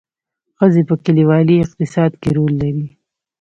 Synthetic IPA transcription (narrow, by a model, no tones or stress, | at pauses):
xəzepəkɪliwɑliɪq̚t̪ɪsɑd̪keɾolːaɾi